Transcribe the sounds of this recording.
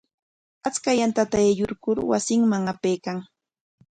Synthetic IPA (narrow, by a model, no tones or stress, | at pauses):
at͡skajant̪at̪aejʊɾkʊɾwa̰sɪŋmaŋapejkaŋ